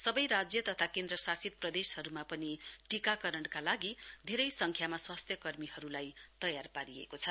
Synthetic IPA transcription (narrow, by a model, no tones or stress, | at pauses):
sʌbʌjɾad͡zjʌt̪ʌt̪ʰakend̪ɾʌsasit̪̚prʌd̪eshʌɾumapʌniʈikakʌɾʌɳkalaɡid̪ʱeɾʌjsʌŋkʰjamaswast̪ʰjʌkʌrmiɦʌɾulajt̪ʌjarpaɾiḛkot͡sʰʌ